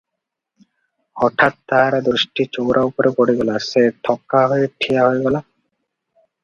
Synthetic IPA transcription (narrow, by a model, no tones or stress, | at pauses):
ɔʈʰat̪ːaɦaɾad̪ɾusʈit͡ɕowɾʔaupoɾekɔɽiɡɔlaset̪ʰɔkːaɦɔjeʈʰijaɦɔjɡɔla